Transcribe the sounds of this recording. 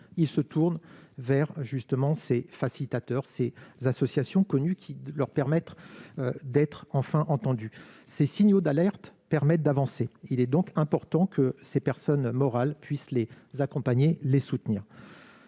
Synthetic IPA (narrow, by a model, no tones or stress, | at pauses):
ilsət̪ʰuʁnvɛʁʒyst̪əmɑ̃sefasilit̪at̪œʁsezasɔsjasjɔ̃kɔnykʲʰilœʁpɛʁmɛt̪ød̪ɛt̪χɑ̃fɛ̃ʔɑ̃t̪ɑ̃d̪ysesiɲjod̪alɛʁt̪pɛʁmɛt̪̚d̪avɑ̃seilɛd̪ɔ̃kɛ̃pɔʁt̪ɑ̃kʰəsepɛʁsɔnmɔʁalpʰɥisle | zakɔ̃paɲelesut̪niːʁ